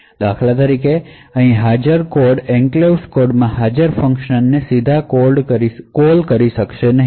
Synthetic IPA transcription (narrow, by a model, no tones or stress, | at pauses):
d̪akʰlat̪əɾikeəɦĩɦad͡ʒəɾkoɾɖɛ̃ŋklewskoɾɖmãɦad͡ʒəɾfə̃ŋkʃənːesid̪ʱakolɖɾikolkəɾiʃəkʃenəɦi